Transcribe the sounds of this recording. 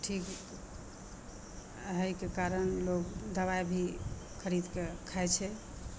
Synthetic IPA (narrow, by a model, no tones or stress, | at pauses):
ʈʰik | ɦəjkekaɾənlokd̪əβajbʱi | kʰəɾid̪kekʰajt͡ʃʰɛ